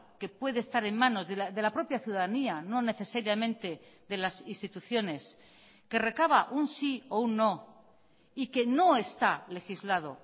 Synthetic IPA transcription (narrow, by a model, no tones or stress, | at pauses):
ke̞pwe̞ðest̪aɾe̞nmãno̞zðeðe̞lapɾo̞pjaθjuðaðaniano̞ne̞θe̞saɾjamẽ̞nt̪e̞ðe̞lasinst̪it̪uθjo̞ne̞s | ke̞re̞kaβaʔunsiounːo̞ | ike̞no̞e̞st̪ale̞xizlað̞o̞̰